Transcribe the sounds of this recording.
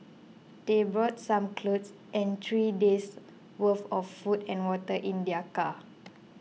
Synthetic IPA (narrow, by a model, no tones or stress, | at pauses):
d̥ebɹɔt̚sãmkʰlots | ʔɛ̃nt̪ʰɹides | wəfɔfːutɛ̃nwɔtəʔĩndiaka